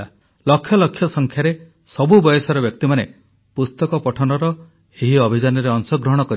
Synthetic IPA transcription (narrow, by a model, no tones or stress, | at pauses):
a | lɔkʰːjɔlɔkʰːjɔsɔŋkʰjaɾe | sɔbubɔjɔsɔɾɔbjɔk̚t̪imane | pust̪ɔkɔpɔʈʰɔnɔɾɔ | eɦiɔbʱid͡ʒanɔɾeɔŋsɔɡɾɔɦɔɽ̃ɔkɔɾi